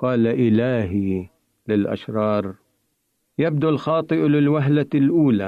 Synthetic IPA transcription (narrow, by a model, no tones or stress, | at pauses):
qɑːlaʔɪlaːɦi | lɪlʔa̰ʃɾˤɑːɾˤ | jab̚d̪alxɑːt̪ˤɨʔlɪlwaɦlalʔuːla